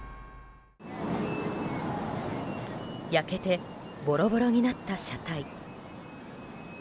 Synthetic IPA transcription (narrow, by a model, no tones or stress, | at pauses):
jake̞t̪e̞bo̞ɾo̞bo̞ɾo̞ɲ̟inat̪ːaɕat̪ai